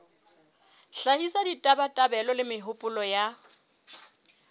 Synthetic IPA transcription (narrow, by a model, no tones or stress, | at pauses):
ɬahisaditʼabatʼabɛlɔlɪmɪɦʊpʼʊlɔja